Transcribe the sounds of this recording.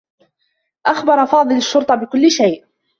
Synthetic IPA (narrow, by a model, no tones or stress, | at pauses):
ʔaxbɑɾˤɑfɑːðˤɨlaʃːʊɾt̪ˤɑbɪkʊlːɪʃajʔ